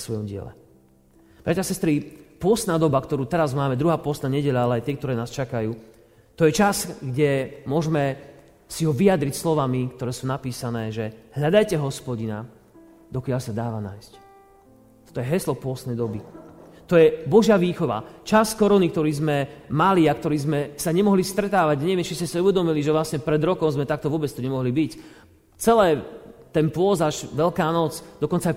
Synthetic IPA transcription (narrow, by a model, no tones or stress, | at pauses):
sʋɔjɔmɟɪɛ̰lɛ̰ | b̥ɾacasɛst̪ɾipʊɔst̪naːd̪ɔbakt̪ɔɾuːt̪ɛɾazmaːmɛd̪ɾuɦaːpʊɔst̪naːɲɛɟɛʎaalɛajt̪ɪɛkt̪ɔɾɛːnaːst͡ʃakajuː | t̪ɔjɛt͡ʃasɡɟɛmʊɔʒmɛ | siɦɔʋiad̪ɾicslɔʋamikt̪ɔɾɛːsuːnapiːsanɛːʒɛɦʎad̪ajcɛɦɔspɔɟina̰ | d̪ɔkɪaʎsad̪aːʋana̰ːjsc | t̪ɔ̥t̪ɔjɛɦɛslɔpʊɔst̪ɛjd̪ɔbit̪ɔjɛbɔʒɪaʋiːxɔʋa̰t͡ʃaskɔɾɔnikt̪ɔɾiːzmɛmaliakt̪ɔɾiːzmɛsaɲɛmɔɦlist̪ɾɛt̪aːʋaɟaɲɛʋɪɛmt͡ʃiscɛsiuʋɛd̪ɔmiliʒɛʋlasɲɛpɾɛd̪ɾɔkɔʊzmɛt̪akt̪ɔʋʊɔbɛt͡st̪uɲɛmɔɦlibic | t͡sɛlɛːt̪ɛnpʊɔzaʒʋɛʎkaːnɔt͡sd̪ɔkɔnt͡sa